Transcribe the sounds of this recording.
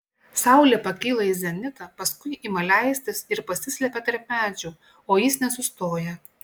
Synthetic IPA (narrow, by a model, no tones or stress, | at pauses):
sɑˑʊlʲeːpɐkʲiːlˠɐɪzʲɛnʲɪt̪ɐpɐskʊɪʔimɐlʲæɪsʲt̪ʲɪsɪɾpɐsʲɪsʲlʲɛpʲɛt̪ɐɾʲp̚ʲmʲæːd͡ʒʲuː | oːjɪsnʲɛsʊst̪oːjɛ